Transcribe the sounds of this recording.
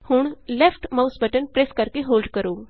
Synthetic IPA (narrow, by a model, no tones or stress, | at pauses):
hʊɳ̃lɛːpʰʈmaʊsbəʈənpɾɛskəɾkeɦoːlɖkəɾoː